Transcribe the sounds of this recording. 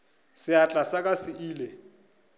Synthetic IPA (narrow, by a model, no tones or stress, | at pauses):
sɪat͡ɬʼasakʼasɪiːle